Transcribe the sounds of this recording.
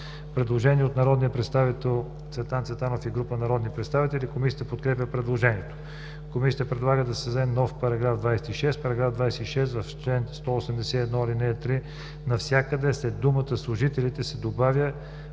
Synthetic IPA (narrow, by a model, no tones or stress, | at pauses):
pɾɛd̪lˠoʒɛniɛot̪nɐɾɔd̪nijəpɾɛt̪st̪avit̪ɛlˠ | t̪svɛt̪ant̪svɛt̪anofiɡɾupənɐɾɔd̪nipɾɛt̪st̪avit̪ɛlʲikomisʲiət̪əpot̪kɾɛpʲəpɾɛd̪lˠoʒɛniɛt̪o̥ | komisʲjət̪əpɾɛd̪lˠaɡəd̪ɐsɛzɛmnɔfpɐɾɐɡɾavd̪vajsɛt̪iʃɛst̪̚pɐɾɐɡɾafd̪vajsɛiʃɛst̪vɐft͡ʃɛnst̪ɔosɛmd̪ɛsɛiɛd̪nɔilinɛt̪ɾi | nɐfsʲjakəd̪ɛslɛd̪umət̪əslˠʊʒit̪ɛlit̪ɛsɛd̪obavʲjə